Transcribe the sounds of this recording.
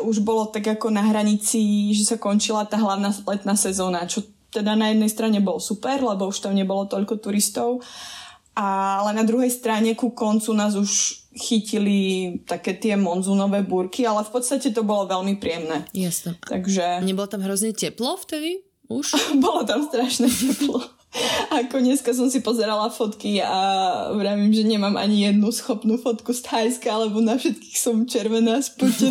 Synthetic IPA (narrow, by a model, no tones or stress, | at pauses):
uʒbɔlɔt̪aɡakɔnaɦɾaɲit͡siʒɛsakɔnt͡ʃilat̪aːɦlaʊnaːsplɛt̪naːsɛzɔːnat͡ʃɔ | t̪ɛd̪anajɛd̪nɛjst̪ɾaɲɛbɔlsupɛɾlɛbɔuʃt̪amɲɛbɔlɔt̪ɔʎkɔt̪uɾist̪ɔʊ | ʔalɛnad̪ɾuɦɛjst̪ɾaɲɛkukɔnt͡sunaːzuʃ | xicilit̪akɛːt̪ɪɛmɔnzuːnɔʋɛːbuɾkialɛfpɔt̪st̪acɛt̪ɔbɔlɔʋɛlmipɾiɪɛmnɛːjasnɛt̪a̰ɡʒɛɲɛbɔlɔt̪amɦɾɔzɲɛcɛplɔft̪ɛd̪i | uʃbɔlɔt̪amst̪ɾaʃnɛcɛplɔ | akɔɲɛskas̬ɔmsipɔzɛɾalafɔt̪kia̰ʋɾaːʋimʒɛɲɛmaːmʔa̰ɲijɛd̪nusxɔpnufɔt̪kust̪aʎskaalɛbɔnafʃɛt̪ki̥xsɔmt͡ʃɛɾʋɛnaːspucɛ